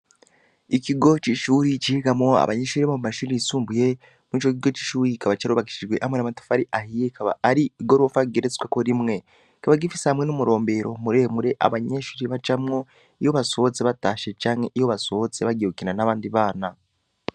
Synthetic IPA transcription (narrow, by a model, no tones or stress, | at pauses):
ikiɡo̞t͡ʃiʃuːɾit͡ʃihiɡamŋo̞a̰βa̰ɲeʃuːɾiβamumaʃuːɾiisuːmbuje̞ | mwiːt͡ʃokiɡo̞t͡ʃi̥ʃuːɾikaβat͡ʃaɾuβaki̥ʃiʒɡwe̞ʔamwenamatu̥faɾiʔahijekaβa̰ːɾiːɡo̞ɾofaɡeɾet͡si̥kwakoɾimŋe̞ | ikaβaɡifisehamŋe̞numuɾo̞ːmbe̞ɾo̞muɾe̞ːmuɾe̞ʔa̰βaɲeʃuːɾiβat͡ʃamŋo̞ | ijo̞βaso̞t͡seβataːʃe̞t͡ʃaːŋhe̞ʔijoβasoot͡seβaɡehukinanaβaːndiβaːna